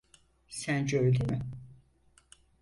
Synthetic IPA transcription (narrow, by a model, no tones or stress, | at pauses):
sænd͡ʒøjlʲimɪ